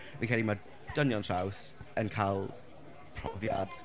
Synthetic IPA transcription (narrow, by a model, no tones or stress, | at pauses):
vikʰɛlima | d̥ənjɔntʰraws | ənkʰalˠ | pʰr̥ɔ̰vja̰d̥